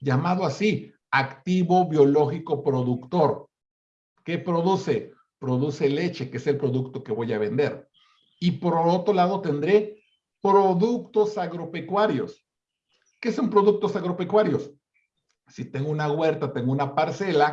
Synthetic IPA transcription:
d͡ʒamaðoasi | akt̪iβo̞βjo̞lo̞xiko̞pɾo̞ðukt̪o̞ɾ | ke̞pɾo̞ðuse̞ | pɾo̞ðuse̞le̞t͡ʃe̞keese̞lpɾo̞ðukt̪o̞ke̞βo̞jaβe̞nd̪e̞ɾ | ipo̞ɾlo̞t̪ɾo̞laðo̞t̪e̞nd̪ɾe̞ | pɾo̞ðukt̪o̞saɣɾo̞pe̞kwaɾjo̞̰s | ke̞so̞mpɾo̞ðuk̚t̪o̞saɣɾo̞pekwaɾjo̞s | sit̪e̞ŋɡounaɣwe̞ɾt̪at̪e̞ŋɡounapaɾse̞la

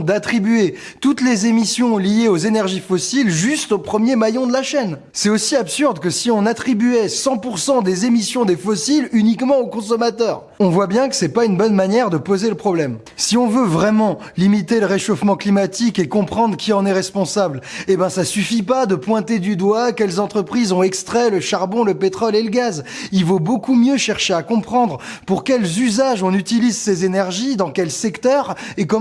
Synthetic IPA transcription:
d̪at̪χibyet̪ut̪lezemisjɔ̃lijeozenɛʁʒifɔsilʒyst̪opχəmjemajɔ̃d̪əlaʃɛn | sɛtosiapsyʁd̪kəsiɔ̃nat̪χibyɛsɑ̃puʁsɑ̃d̪ezemisjɔ̃d̪efɔsilynikmɑ̃okɔ̃s̬ɔmat̪œːʁ | ɔ̃vwabjɛ̃kə̥sɛpaynbɔnmanjɛʁd̪əpozeləpχɔblɛm | siɔ̃vøvʁɛmɑ̃ | limit̪eləʁeʃofmɑ̃klimat̪ikekɔ̃pχɑ̃d̪ʁəkʲiɑ̃nɛʁɛspɔ̃sablebɛ̃sasyfipad̪əpwɛ̃t̪ed̪yd̪wakʲɛlzɑ̃t̪χəpχizɔ̃ɛkst̪χɛləʃaʁbɔ̃ləpet̪χɔleləɡazilvobokumjøʃɛʁʃeakɔ̃pχɑ̃d̪ʁpuʁkʲɛlzyzaʒɔ̃nyt̪ilizsezenɛʁʒid̪ɑ̃kʲɛlsɛkt̪œːʁekɔ

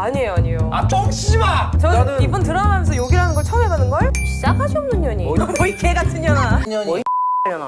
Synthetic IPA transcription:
aɲejoaɲijoat͡ɕʌŋɕibat͡ɕʌibuntɯɾʌnaamjensʰʌjoɡiɾɦanɯnɡʌɭt͡ɕʰʌmeɡanɯnɡʌɕʰid͡ʑak̚haɕʰiʌmnɯɲɲʌɲiʌikʰeɡatʰɯɲʌnaʌ | n

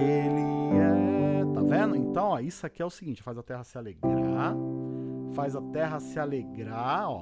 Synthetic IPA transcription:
elɪɛt̪avẽʊẽnt̪ɐ̃w̃ɔisʊakiɛʊsɪɡĩnt͡ʃɪ̥fajzɐt̪ɛɦɐsɪaleɡɾa | fajzɐt̪ɛɦɐsɪaleɡɾaɔ

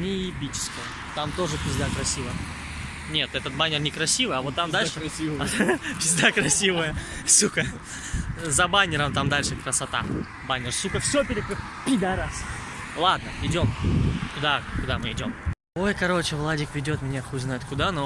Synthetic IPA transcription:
nʲɪɪpʲit͡ɕɪ̥skəj | t̪amt̪o̞ʐɨpʲɪzd̪akɾɐsʲivəjə | nʲe̞t̪ɛt̪ət̪̚banʲɪrnʲɪkɾɐsʲivɨɐvot̪ːamd̪alʲʂɨsʲipʲɪzʲd̪akɾɐsʲivəjəsukə | zɐbanʲɪɾəmt̪amd̪alʲʂɨkɾəsɐt̪a̰ | banʲɪrsukəfsʲopʲɪɾʲɪk | pʲɪd̪ɐɾas | lˠad̪̚nəɪdʲo̞mkʊd̪akʊd̪amɨɪdʲo̞m | o̞jkɐɾo̞t͡ɕɪvlˠadʲɪkvʲɪdʲo̞t̪mʲɪnʲaxoznajʊt̪kʊd̪ano

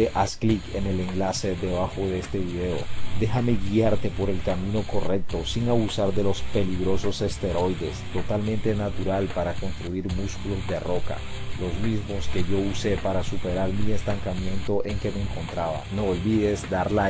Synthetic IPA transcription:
eʔasklike̞ne̞le̞ŋlase̞ðe̞βaxo̞ðeest̪e̞βiðe̞o̞̰d̪e̞xame̞ɣiaɾt̪e̞po̞ɾe̞lkamĩno̞ko̞re̞k̚t̪o̞siŋaβusaɾðe̞lo̞spe̞liɣɾo̞so̞se̞st̪e̞ɾo̞jðe̞st̪o̞t̪almẽ̞nt̪e̞nat̪uɾalpaɾako̞nst̪ɾuiɾmuskulo̞zd̪e̞ro̞ka̰lo̞zmizmo̞ske̞ʝo̞use̞paɾasupe̞ɾaɾmie̞st̪aŋkamje̞nt̪o̞ʔe̞ŋke̞me̞ːŋko̞nt̪ɾaβa̰no̞ːlβiðe̞zd̪aɾla

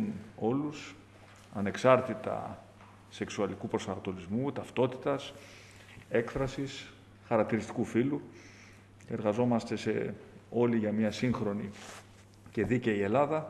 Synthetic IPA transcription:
no̞lus | ɐne̞ksɐɾt̪it̪ɐ̰ | se̞ksuɐlikupɾo̞sɐnɐt̪o̞lizmut̪ɐft̪o̞t̪i̥t̪ɐs | e̞kfɾɐsis | xɐɾɐk̚t̪iɾist̪i̥kufilu | cee̞ɾɣɐzo̞mɐst̪e̞se̞o̞liʝɐmɲɐsiŋxɾo̞ni | ce̞ðiceie̞lɐðɐ

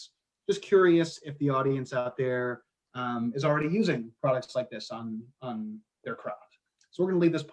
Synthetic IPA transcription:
d̥ʒ̥ʌskʰj̥ʊɹiɨsɪfðiɔɾiɨ̃nsaʊt̪̚ðə˞ | ʌ̃mɨzl̩ˠɹɛɾijʉzɪ̃ŋpʰɹ̥ɑɾɨk̚tslaɪk̚ðɪsñ̩n̩ | ðə˞kʰɹ̥ɑd̥ | soʊwəɹɡʌnəlivðɪspʰ

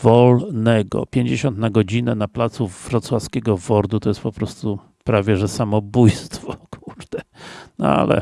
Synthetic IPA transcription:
vɔlnɛɡɔ̰pʲjeɲd͡ʑeɕɔnt̪naɡɔd͡ʑinɛnaplat̪suvɾɔt̪swaskʲɛɡɔvɔɾd̪ut̪ɔjɛst̪pɔpɾɔst̪u | pɾavʲjɛʐɛsamɔbujst̪fɔkʰuɾd̪̥ɛnɔ̰a̰lɛ̰

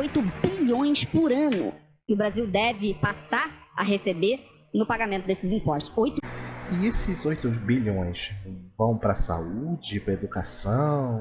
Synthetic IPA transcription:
ojt̪ʊbiʎõj̃spʊɾɐ̃nʊ̰ | kɪʊbɾaziwd̪ɛvɪpasaɾa̰ɦesebe | nʊpaɡamẽnt̪ʊd̪esɪzĩmpɔʃt̪ʊ̥ojt̪ʊẽesɪzojt̪ʊbiʎõj̃svɐ̃w̃pɾɐsa̰ud͡ʒɪpɾɐed̪ukasɐ̃w̃

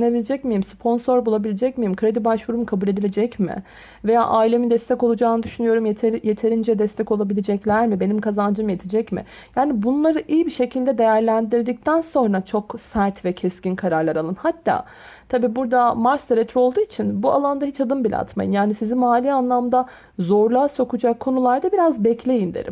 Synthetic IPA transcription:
ne̞bilʲed͡ʒɛcmijimspʰo̞nso̞ɾbulˠabilʲed͡ʒɛcmijimkʰɾe̞d̪ibaʃvuɾumukʰabulʲe̞d̪ilʲed͡ʒɛcmɪ̰ | veja̰ːʔaːilʲe̞mid̪ɛst̪ʰɛcolˠud͡ʒaːnɯd̪yʃynyjo̞ɾumjʰje̞t̪ʰe̞ɾind͡ʒɛd̪ɛst̪ʰɛco̞lˠabilʲed͡ʒɛclʲæɾmibe̞nimkʰazand͡ʒɯmje̞t̪ʰid͡ʒɛcmɪ̰ | jaːnibunlˠaɾɯʔijbiʃe̞cʰilʲd̪ɛd̪e̞jæɾlʲænd̪iɾd̪ic̚t̪ʰænso̞nɾat͡ʃʰo̞ksæɾt̪vɛcʰɛscinkʰaɾaɾlˠaɾalˠɯnhat̪ʰːa̰ː | t̪ʰabiːbuɾd̪amaɾst̪ʰeɾɛt̪ʰɾo̞lˠd̪uːit͡ʃʰinbua̰lˠand̪aɦit͡ʃad̪ɯmbilʲa̰t̪ma̰jɯ̰njaːnisizimaːlʲiːanlˠamd̪a | zo̞ɾlˠaːso̞kʰud͡ʒakʰːo̞nulˠaɾd̪abiɾazbɛclʲe̞jind̪ḛɾḭm

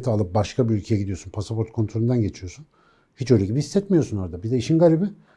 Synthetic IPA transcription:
t̪ʰalˠɯp̚baʃkʰabiylʲcʰe̞jɛɟid̪ijo̞sunpʰasapʰoɾt̪̚kʰo̞nt̪ɾolʲund̪anɟe̞t͡ʃʰijo̞sun | hit͡ʃø̞jlʲɛɟibihisːɛt̪mijosuno̞ɾad̪abid̪ɛiʃinɡaɾʲibi

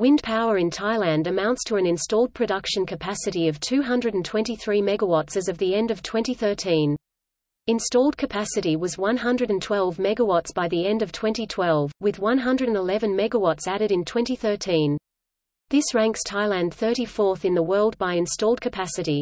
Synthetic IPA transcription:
wɪ̃ndpʰaʊə˞ɨ̃ntʰaɪlæ̃ndɨmãʊ̃ntstʰəɨ̃nɨ̃nstɔlˠd̚pʰɹ̥ɨdʌkʃɨ̃nkʰɨpʰæsɨɾiʌv̥tʰʉɦʌ̃ndɹɨɾn̩tʰw̥ɛ̃ntiθɹimɛɡəwɑtsɨzʌvðiɛ̃ndʌv̥tʰw̥ɛ̃ntiθɜ˞tʰĩn | ɨ̃nstɔlˠd̚kʰɨpʰæsɨɾiwʌzwʌ̃nɦʌ̃ndɹɨɾɨ̃ntʰw̥ɛlˠvmɛɡəwɑtsb̥aɪðiɛ̃ndʌv̥tʰw̥ɛ̃ntitʰw̥ɛlˠvwɨðwʌ̃nɦʌ̃ndɹɨɾ̃nəlɛvɨ̃nmɛɡəwɑtsæɾɨɾɨ̃ntʰw̥ɛ̃ntiθɜ˞tʰĩn | ðɪsɹæ̃ŋkstʰaɪlæ̃nθɜ˞ɾifɔɹθɨ̃nðəwɜ˞lˠd̚baɪɨ̃nstɔlˠd̚kʰɨpʰæsɨɾi

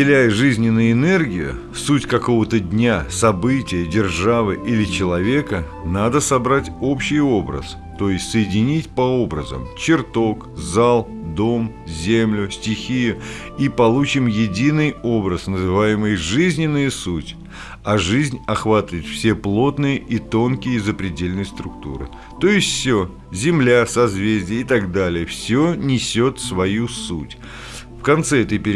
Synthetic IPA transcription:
ɪlʲæjʐɨzʲnʲɪnːʊjʊɪnɛrɡʲɪjʊ̰ | sutʲkɐko̞vət̪ədʲnʲasɐbɨtʲɪjədʲɪrʐavɨʔilʲɪt͡ɕɪlˠɐvʲe̞kə | nad̪əsɐbɾatʲo̞pɕːɪjo̞bɾə̰s | t̪o̞jɪsʲtʲsəjɪdʲɪnʲitʲpɐo̞bɾəzə̰mt͡ɕɪrt̪o̞k | zalˠd̪o̞m | zʲemlʲʊsʲtʲɪxʲijʊ | ipɐlˠut͡ɕɪmjɪdʲinɨjo̞bɾəsnəzɨvajɪmɨjʐɨzʲnʲɪnːɨjəsutʲ | ɐʐɨzʲnʲɐxvat̪əvəɪt̪fsʲeplˠo̞t̪nɨjəʔit̪o̞nkʲɪjəzəpɾʲɪdʲelʲnɨjst̪ɾʊkt̪ṵɾɨ̰ | t̪o̞jɪsʲtʲfsʲo | zʲɪmlʲasɐzvʲezʲdʲɪjəɪt̪ɐɡd̪alʲɪjəfsʲonʲɪsʲo̞t̪svɐjusutʲ | fkɐnt̪sɛɛt̪əjpʲɪ

